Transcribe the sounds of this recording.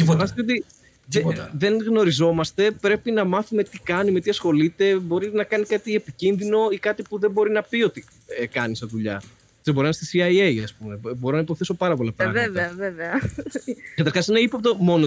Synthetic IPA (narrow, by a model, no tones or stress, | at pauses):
efonɐst̪it̪eot̪i | ðeðe̞nɣno̞ɾizo̞mɐst̪e̞pɾe̞pinɐmɐθume̞t̪ikɐnime̞t̪iɐsxo̞lit̪e̞bo̞ɾinɐkɐniskɐt̪ie̞picinðino̞ikɐt̪ipuðebo̞ɾinɐpio̞t̪i | ekɐnisɐðuʎɐ̰ | sebo̞ɾinɐst̪isiɐjejɐspume̞boɾonɐipo̞θeso̞pɐɾɐpo̞lɐpɾɐveveɐveveɐ | kɐt̪ɐɾxɐsineipop̚t̪omo̞no